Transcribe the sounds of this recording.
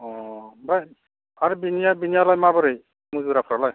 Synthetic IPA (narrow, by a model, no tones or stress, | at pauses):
ɔbaj | aɾibinijabinijalajmabɔɾɯj | muzuɾapʰɾalaj